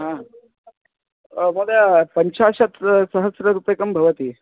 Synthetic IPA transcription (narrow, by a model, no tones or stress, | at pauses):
ɦã | mɐɡapəɲt͡ʃaːɕɐt̪sɐɦəsɾɐɾupekɐmbʱɐʋət̪iː